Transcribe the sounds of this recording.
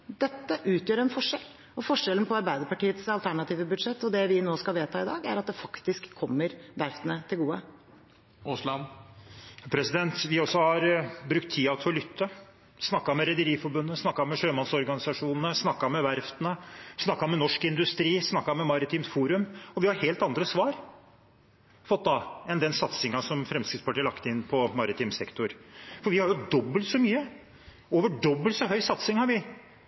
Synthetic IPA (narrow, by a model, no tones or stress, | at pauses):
d̪̥ɛt̪ːəʔʉːt̪jøːɾɛnfɔʂɛl | ɔfɔʂɛln̩pʰɔɑɾbæɪd̪əɾpɑʈiːət̪sɑlt̪ʰæɳɑt̪ʰiːʋəbʉd̪ʂɛt̪ːɔd̪ɛʋɪnoːskɑʋeːt̪ʰɑːɪd̪ɑ̰ːɡæɾɑt̪̚d̪ɛfɑkt̪ɪskʰːɔmːəɾʋæɾft̪ənət̪ʰɪlɡuːə | ʊslɑn | pʰɾɛsɪd̪ɛnt̪ʋɪɔsːɔhɑɾbɾʉkt̪ʰːiːɑʋt̪ʰɪɔlʏt̪ʰːə | snɑkːɑmɛɾɛd̪əɾiːfɔɾbʉnːəsnɑkːɑmɛʂøːmɑnsɔɾɡɑnɪsɑʂuːnən̩əsnɑkːɑmɛʋæɾft̪ənəsnɑkːɑmɛnɔʂkɪnd̪ʉst̪ɾiːsnɑkːɑmɛmɑɾɪt̪ʰiːmt̪fuːɾʉmɔʋɪhɑɾheːlt̪ɑnd̪ɾəsʋɑːɾ | fɔt̪̚ːd̪ɑɛnd̪ɛnsɑt̪sɪŋɑsɔmfɾɛmskɾɪt̪spʰɑʈiːɭɑkt̪əɪnːpʰɔmɑɾɪt̪ʰiːmsɛkt̪ʊɾfɔɾʋɪhɑɾjʊd̪ɔbːəlt̪sɔmyːə | oːʋəɖɔbːəlt̪sɔɦœʏsɑt̪sɪŋhɑɾʋɪ